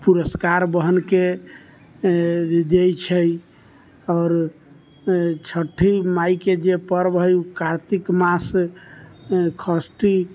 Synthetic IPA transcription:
puɾəskaɾbəɦənke | d̪ejt͡ʃʰə | ɔːɾ | t͡ʃʰəʈʰːimajked͡ʒepəɾbɦəjukaɾt̪ikmas | kʰəsʈi

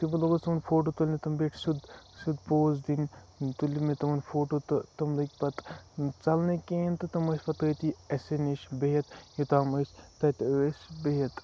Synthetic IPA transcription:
t̪ibɐlɐɡost̪ɐmɐnʲfoːʈ̬oːt̪ulʲnit̪ɐmbeːʈʰsud̪sud̪poːzd̪in | t̪ulimet̪ɐmɐnfoːʈot̪ɨt̪ɐmlɐkʲpɐt̪t͡sɐlnekeːnt̪ɨt̪ɐmɐsʲpɐt̪ɐt̪iɐseniʃbejɐt̪jit̪aːmɐst̪ɐt̪ɾesbejɐt̪

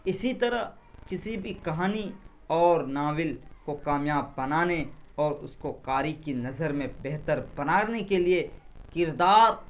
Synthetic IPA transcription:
ɪsit̪ɐɾə | kɪsibʱikɐɦaːni | ɔːɾnaːwɪlkokaːmjaːb̚ːɐnaːneɔːɾʊskoqaːɾikinɐzəɾmẽbɛɦt̪əɾbɐnaːɾnekelie | kɪɾd̪aːɾ

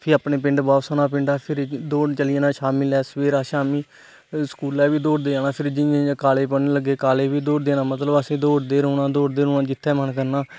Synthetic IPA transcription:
pʰɪɾəpneːpɪɳɖbaːsoːnaːpɪɳɖaːpʰɪɾd̪oːt͡ʃəlɪeːnãːʃaːmilɛːsʋeːɾaːʃaːmiː | skuːlɛːʋiːd̪oːɽd̪eːaːnãːpʰɪɾd͡ʒɪẽkaːleːpəneːləɡːeːkaːleːʋiːd̪oːɽd̪eːnãːmət̪ləbəsĩːd̪oːɽd̪eːɾõːnãːd̪oːɽd̪eːɾõːnãːd͡ʒɪt̪ʰːɛːmənkəɾnaː

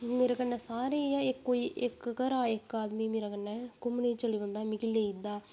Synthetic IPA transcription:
meɾɐkɐnːɛsaːɾejaekːoiʔekːkɐɾaːekːaːd̪mimiɾɐkɐnːɛkomːneːt͡ʃɐliʋɐnd̪aːmɪkilːeid̪aː

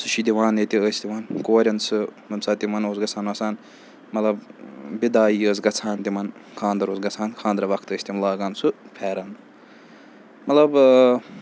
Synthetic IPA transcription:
sɨʃid̪iʋãːnet̪iəːsʲt̪iʋɐnkoːɾʲɐnsɨmɐmsaːt̪imɐnoːzɡɐt͡sʰaːnɐsaːn | mɐt̪lɐbbid̪aːiːəːs̬ɡɐt͡sʰaːnt̪imɐnkʰãːnd̪ɐɾoːzɡɐt͡sʰaːnkʰãːnd̪ɾɐʋɐkʰt̪əːsʲt̪imlaːɡaːnsɨpʰɛːɾɐn | mɐt̪ɐb

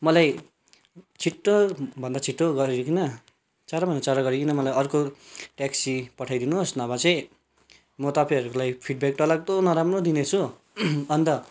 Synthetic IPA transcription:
mʌlaj | t͡sʰiʈːobʱʌnd̪at͡sʰiʈːoɡʌɾiɾkʰinʌ | t͡saɾabʱʌnd̪at͡saɾaɡʌɾikʰinʌmʌlajʌrkoʈaksipʌʈʰajd̪inuɦosnʌbat͡sʌj̃ | mʌt̪ʌpajɦʌɾuulajpʰiɖ̚bekʈʌlaɡ̚t̪onʌɾamrod̪inet͡sʰu | ʌnt̪ʌ

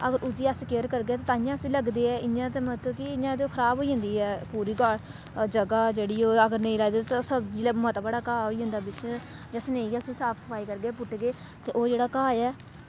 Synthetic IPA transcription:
əɡəɾʊd̪iːəskeːəɾkəɾɡeɛːt̪aːt̪aːɪ̃jãːsĩːləɡd̪eːɛːʔɪnãːt̪̬eːmət̪ləbkɪɪjãːt̪eoːkʰəɾaːbɦoːiːɦʊ̃ːnd̪iːɛːpuːɾiːɡaɽ | d͡ʒəɡaːd͡ʒeːɽiːoːəɡəɾnəĩlaːd̪eːt̪ãsəbd͡ʒiːlɛːmət̪bəɽaːkaːɦoːiːɦʊ̃nd̪aːbɪt͡ʃ | d͡ʒəsnẽːĩːasĩːsaːpʰsə̥pʰaːiːkəɾɡeːpʊʈɡeː | t̪eːʔoːd͡ʒeːɽaːkaːjɛː

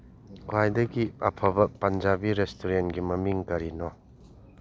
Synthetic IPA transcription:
kwajdɐɡiɐpʰɐbɐpɐnd͡ʒabiɾestʰuɾenɡimɐmiŋkɐɾinɔ

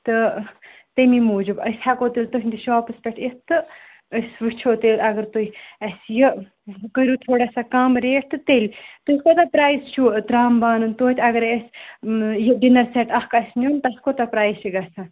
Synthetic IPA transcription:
t̪ɨ | t̪emimuːd͡ʒɨbə̰sʲhakoːt̪ilʲt̪ɨɦʲnʲd̪iʃaːpɨspʲeʈʰist̪ɨ | əsʋɨt͡ʃʰoːt̪elʲɐɡəɾt̪ujɐsjə | kəɾut̪ʰoːɽasakaːmɾeːʈʰt̪ɨt̪elʲt̪ujkot̪apɾaːjst͡ʃʰut̪ɾaːmbaːnɨnt̪oːt̪ʰʲɐɡɐɾesʲ | jəɖinɐɾseʈɐhkɐsnʲont̪ɐskot̪apɾaːjʃiɡɐsa

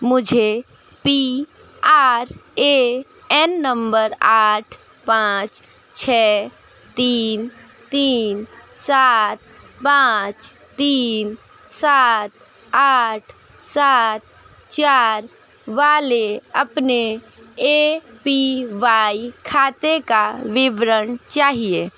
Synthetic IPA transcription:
mʊd͡ʒʱe | pi | aːɾe | ɛnːəmbəɾaːʈʰ | pãːt͡ʃ | t͡ʃʰɛː | t̪iːn | t̪iːnsaːt̪̚ | pãːt͡ʃ | t̪iːn | saːt̪ | aːʈʰ | saːt̪ | t͡ʃaːɾ | ʋaːleɐpne | eːpiʋaːikʰaːt̪ekaʋɪʋɾənt͡ʃaːɦieː

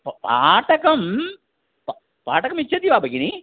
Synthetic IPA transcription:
ppa̰ːʈɐkɐm | p | paːʈɐkɐmit͡ɕːɐt̪iʋaːbɐkini

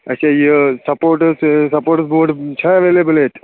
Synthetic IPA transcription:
ɐt͡ʃajisɐpoːɾʈəssɐpoːɾʈəsboːɖt͡ʃʰaɐʋelebəlɦet̪

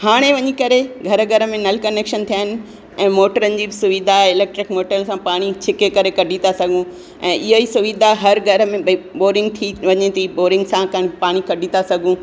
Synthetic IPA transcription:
haːɽ̃eʋɐɲikɐɾeɡʱɐɾəɡʱɐɾəmẽnɐlkɐneːkʃənt̪ʰijaːɦɪnɪ̆ | ɛ̃ːmoːʈəɾənɪ̆d͡ʑiːsʊʋid̪ʱaɪleːk̚ʈɾɪkmoːʈəlsãpaːɽ̃it͡ɕʰɪkekɐɾekɐɖʱit̪asɐɡʱũ | ɛ̃ːʔɪɦoisʊʋid̪ʱaɦɐɾɡʱɐɾə̆mẽboːɾɪ̃ŋɡ̚t̪ʰiʋɐɲɪt̪ʰiboːɾɪ̃ŋɡsãkɐpaːɽ̃ikɐɖʱĩt̪asɐɡʱũ

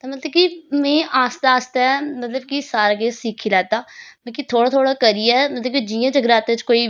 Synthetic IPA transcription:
t̪aːmət̪ləb̚kimɛ̃ːʔaːst̪aːst̪aːɛmət̪ləb̚kisaːɾaːɡeːsiːkʰiːlɛːt̪aːbɛ̃ːkit̪ʰoːɽaːt̪ʰoːɽaːkəɾiːɛːmət̪ləbkid͡ʒiːjãːd͡ʒəɡɾaːt̪ẽt͡ʃkoːiː

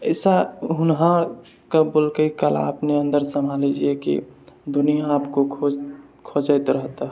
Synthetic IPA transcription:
əɪsaɦʊnɦã | kabolkəikəla̰ːpneə̃nd̪əɾsəmbʱalid͡ʒiekḭd̪ʊnijãaːpkoo | kʰod͡ʒəɪt̪ɾəɦt̪a

